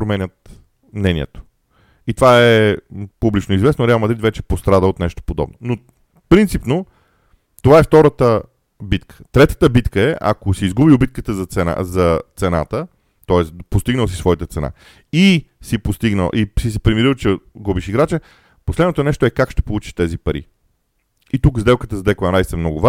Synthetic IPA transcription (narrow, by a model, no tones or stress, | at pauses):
pɾomɛnʲət̪ | mnɛnʲiɛ̰t̪o̥ | it̪ovaɛpublit͡ʃnoizvɛsnoɾɛalˠmɐd̪ɾit̪vɛt͡ʃɛpost̪ɾad̪əot̪nɛʃt̪o̥pod̪ɔ̰bnono | pɾint̪sipno | t̪ovaɛft̪ɔɾət̪ə | bit̪kʰə̥t̪ɾɛt̪ə̥t̪əbit̪kəɛʔa̰kosiːzɡubiobit̪̚kət̪əzɐt̪sɛna̰zɐt̪sɛna̰t̪ə | t̪ɔɛspost̪iɡnəlˠs̬i̥svɔjit̪ət̪sɛna̰ | isipost̪iɡnə̰lˠʔisis̬ɛpɾimiɾilˠt͡ʃɛɡubiʃiɡɾat͡ʃɛ | poslɛd̪not̪onɛʃt̪oɛkakʃt̪ɛ̥polˠut͡ʃi̥ʃt̪ɛzipɐɾḭ | it̪ukzd̪ɛlˠkət̪əzd̪ɛkoɛnɾajssɛmnɔɡʊva